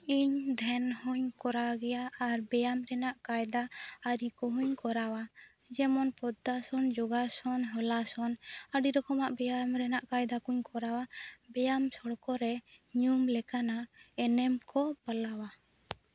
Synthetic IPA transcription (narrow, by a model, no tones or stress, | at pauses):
iɲd̪ʱɛnhuɲkɔɾaɡɛjaːɾbɛjamɾɛnaʔkajd̪aːɾikɔɦuɲkɔɾawa | d͡ʒɛmɔnpɔd̪asɔnd͡ʒɔɡasɔnɦɔlasɔnəɖiɾɔkɔmaʔbɛjamɾɛnaʔkajd̪akuɲkʰɔɾawabɛjamsɔɽkɔɾɛɲumlɛkanaɛnɛmkɔpəlawa